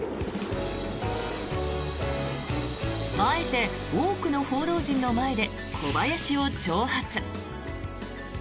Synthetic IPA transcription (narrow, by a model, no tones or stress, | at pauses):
mae̞t̪e̞ | oːkɯ̟no̞ho̞ːd̪o̞ːʑĩnːo̞mae̞d̪e̞ | kʰo̞bajaɕio̞t͡ɕo̞ːhat͡sɨ